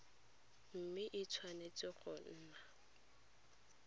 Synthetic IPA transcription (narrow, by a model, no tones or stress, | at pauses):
m̩mɪʔɪt͡sʰwanet͡sʼɪχɔn̩ːna